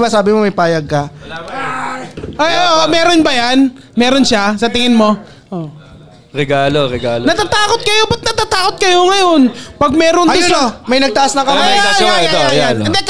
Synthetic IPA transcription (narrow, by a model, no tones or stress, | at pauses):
basaːbɪmomɐjpaːjɐɡ̚kɐ | ʔajʔoːʔmɛːɾonbɐjan | mɛːɾonʃasɐt̪ɪŋɪnmo̞ | ʔoː | ɾɛɡaːloɾɛɡaːlnɐt̪at̪aːkot̪̚kɐjo̞bɐt̪̚nɐt̪at̪aːko̞t̪̚kɐjo̞ŋɐjo̞npɐɡ̚mɛːɾonɪmɐjnɐɡ̚t̪ɐʔasnɐŋkɐmaat̪oɐjanɐd̪ɛ